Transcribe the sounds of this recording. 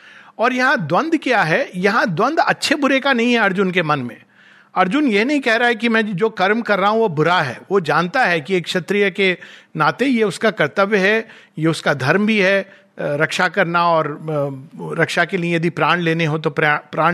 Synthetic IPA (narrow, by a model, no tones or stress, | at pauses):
ɔːɾjɐɦãd̪wɐ̃nd̪ʱkjaːɦɛjɐɦãd̪wɐ̃nd̪ɐtːʃʰebʊɾekanɐɦĩɦɛɐɾd͡ʒʊnkemɐnmḛ̃ː | ɐɾd͡ʒʊnjeɦnɐɦĩkɛɦɾaɦɛkimɛ̃ːd͡ʒoːkɐɾmkɐɾːaɦũʋobʊɾaɦɛ̰ːʋod͡ʒaːnt̪aɦɛkieːkʃɐt̪ɾijəkenaːt̪ejeʊskakɐɾt̪əʋjəɦɛ | jeʊskad̪ʱɐɾmbʱiɦɛ | ɾɐkʃakɐɾnaɔːɾː | ɐkʃakeliẽjɐd̪ipɾaːɽ̃leːneɦot̪̬opːpɾaː